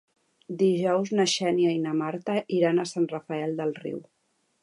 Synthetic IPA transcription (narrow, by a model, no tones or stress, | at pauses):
d̪iʒɔwznəʃɛniajnəmaɾt̪əʔiɾanəsanrəfəɛlˠd̪əlˠrḭw